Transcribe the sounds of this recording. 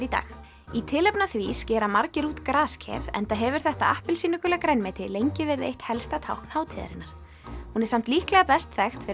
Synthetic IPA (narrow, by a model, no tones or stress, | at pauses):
ɾit̪a̰ːx | it̪ʰɪlɛpnaθviːscɛːɾamaɾcɪɾuːt̪kɾaːscʰɛ̰ɾɛ̰nt̪aɦɛvʏɾ̥θɛht̪aa̰hpɪlsiːnʏkʏlɛakɾɛnmejt̪ɪlejɲcɪvɪɾðḛjht̪hɛlst̪at̪ʰawhknhaːwt̪ʰɪːða̰ɾɪ̰naɾ̥ | hunɛɾsam̥t̪liːhklɛɣapɛst̪θɛxt̪fɪ